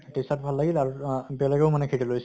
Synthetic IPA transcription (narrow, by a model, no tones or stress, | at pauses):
tesatbʱalːaɡilaɹubiɔlaɡɛʊmanɛkʰetulojs